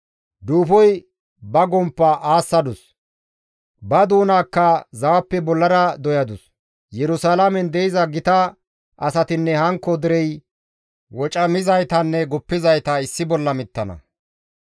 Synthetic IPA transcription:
d̪uːfɔj | bɐɡɔmpːɐʔaːsːɐd̪ʊs | bɐd̪uːnaːkːɐzɐwɐpːɛbɔlːɐɾɐd̪ɔjɐd̪ʊs | jɛɾʊsaːlamɛnd̪ɛjɪzɐɡɪt̪ɐ | ʔɐsɐt̪ɪnːɛhɐŋkːɔd̪ɪɾɛj | wɔt͡ʃʼɐmɪzɐjt̪ɐnːɛɡɔpːɪzɐjt̪ɐɪsːɪbɔlːɐmɪt̪ːɐnɐ̰

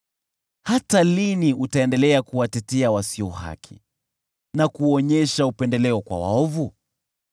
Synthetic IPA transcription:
hataliniutaɛndɛlɛakuwatɛtɛawasiɔha̰kʰḭ | nakuɔɲɛʃaupɛndɛlɛɔkwa̰wa̰ɔvu

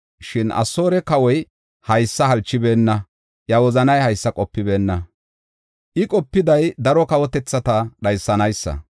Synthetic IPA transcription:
ʃɪnʔɐ̰sːo̞ːɾɛkɐwɔj | hɐjsːɐɦɐlt͡ʃːɪbe̞ːnːɐ | jɐwɔzɐnɐjhɐjsːɐkʼɔpːɪbe̞ːnːɐ | ʔɪkʼɔpːɪd̪ɐjd̪ɐɾɔkɐwɔt̪ɛt͡sːɐt̪ɐɗɐjsːɐnɐjsːɐ̰

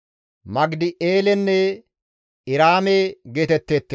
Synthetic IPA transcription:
mɐɡd̪ɪʔeːlɛnːɛ | ɪɾaːmeːɡeːt̪ɛt̪ːeːt̪ːe

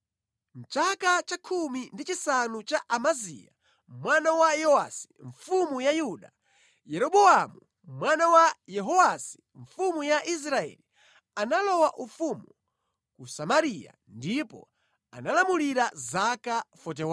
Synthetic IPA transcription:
m̩t͡ʃakat͡ʃakʰumindit͡ʃisanut͡ʃaʔamazḭja̰ | mwanawajɔwa̰si̥ɱfumujajuɗa̰ | jɛɾɔɓɔamu | mwanawajɛɦɔwasi̥ | ɱfumujaʔis̬ɾaɛ̰li | analɔwaʔufumu | kusamaɾija̰ndipɔ̰ | a̰nalamuliɾazakafɔt̬ɛw

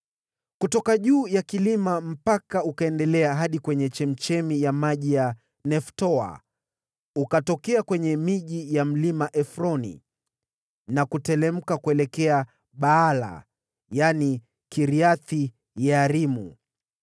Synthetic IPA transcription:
kutɔkaʄuːjakilimam̩pakaukaɛndɛlɛaɦaɗikwɛɲɛt͡ʃɛm̩t͡ʃɛmijamaʄija | nɛftɔa̰ | ukatɔkɛakwɛɲɛmiʄijam̩limaʔɛfɾɔnḭ | nakutɛlɛm̩kakuɛlɛkɛa | ɓaala̰ | jani | kiɾiaθi | jaːɾimṵ

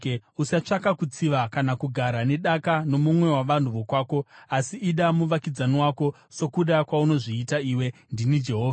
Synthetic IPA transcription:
usat͡ʂakakut͡siʋakanakuɡʱaɾane̞ɗakano̞mumwe̞waʋan̤uʋo̞kwaːko̞asiʔːɗamuʋakid͡zaniwaːko̞ | so̞kuɗakwauno̞ʐiːtaiːwe̞ndinid͡ʒe̞ɦoːva

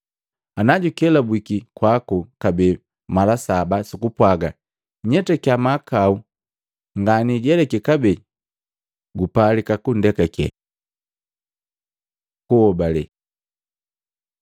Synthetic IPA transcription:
anaɟukɛlabwikikwakukabɛ | malasabasukupwaɡa | ɲɛtɛkiamakau | ŋɡaniɟɛlɛkɛkabɛ | ɡupalikakun̩dɛkakɛ̰ | kuɔbalɛ

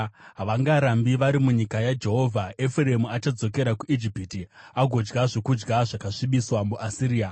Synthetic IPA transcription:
ɦaʋaŋɡaɾambiʋaɾimuɲikajad͡ʒe̞ɦo̞vʱaefuɾemuat͡ʃad͡zo̞ke̞ɾakuid͡ʒipitiaɡʱo̞d͡ʒɡaʐo̞kud͡ʒɡaʐakaʂiɓiswamuʔasiɾiːa

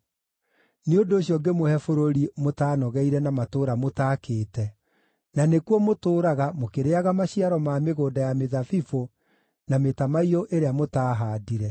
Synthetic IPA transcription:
neondoːɕjɔɡemohɛfoɾoɾimotaːnɔɣɛiɾɛnamatoːɾamotaːkeːtɛ | nanekwɔmotoːɾaɣamokeɾeaɣamaɕiaɾɔmaːmeɣoːdajameðafifo | nametamaiɔʔeɾeamotaːɦaːdiɾɛ

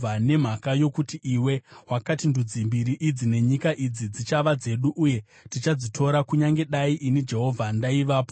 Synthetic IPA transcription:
ane̞m̤akajo̞kutiʔiwe̞ɦwakatindud͡zimbiɾiʔid͡zine̞ɲikaʔid͡zid͡zit͡ʃaʋad͡ze̞ɗuʔuje̞ | tit͡ʃad͡zitʰo̞ɾakuɲaŋɡe̞ɗaiʔinid͡ʒe̞ɦo̞vʱandaiʋaːpo

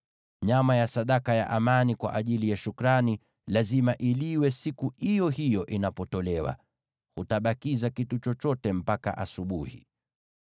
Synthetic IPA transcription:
ɲamajasaɗakaja̰ʔamanikwa̰ʔaʄilijaʃukɾani | lazimaʔiliwɛsikuhijɔhijɔʔinapɔtɔlɛwa̰ | hutaɓakizakitut͡ʃɔt͡ʃɔtɛm̩paka̰ʔasuɓuhḭ

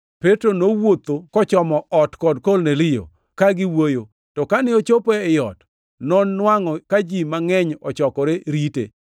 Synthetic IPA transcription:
petɾonowot̪okɔt͡ʃɔmɔʔɔtkɔdkɔlnelɪjo̰ | kaɡɪwojo | tɔkanɪot͡ʃopɛɪjɔt | nɔnːwaŋɔkad͡ʒimaŋɛɲɔt͡ʃɔkɔɾeɾitḛ

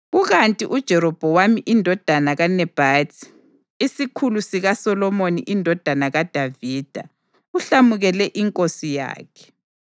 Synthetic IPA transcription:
ɣuɣantʼiʔud̥ʒ̥ʱɛɾɔb̥ʱɔwamiʔindʱɔd̥ʱanaɣanɛb̥ʱatʰʼi̥ | isikʰulusiɣasɔlɔmoniʔindʱɔd̥ʱanaɣad̥ʱaviːd̥ʱa̰ | uɬamuɣɛlɛʔiŋkʼosija̰ːkʰɛ̥

